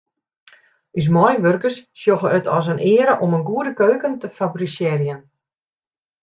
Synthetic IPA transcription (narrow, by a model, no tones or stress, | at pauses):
ys̬mɔjʋørkəsːjoɣəətʰɔs̬ənʔɪəɾəʔomənɡuədəkøːkəntəfabrisjɪɾjən